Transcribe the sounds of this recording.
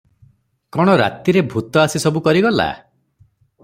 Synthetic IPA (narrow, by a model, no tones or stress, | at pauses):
kɔɽ̃ɔɾa̰t̪iɾebʱut̪ɔasisɔbukɔɾiɡɔla̰